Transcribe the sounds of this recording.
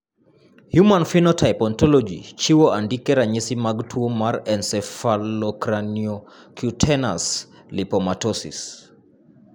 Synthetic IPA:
hjumanfinɔtʰajpɔntɔlɔd͡ʒḭt͡ʃiwɔʔandikɛɾaɲisimaɡtʰuɔmaɾɛnsɛfalɔkɾaniɔ | kʰjutʰɛnas | lipɔmatɔsḭs

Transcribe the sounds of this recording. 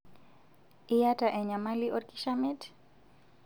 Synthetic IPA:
ijataʔɛɲamaliʔɔɾkiʃamɛt

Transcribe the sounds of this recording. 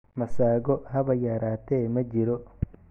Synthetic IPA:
mɐsaːɡɔɦɐβɐjaːɾaːt̪ɛːmɐd͡ʒɪɾɔ

